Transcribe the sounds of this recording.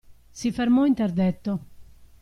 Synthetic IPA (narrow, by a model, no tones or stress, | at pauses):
sifeɾmɔint̪ɛɾd̪ɛt̪ːo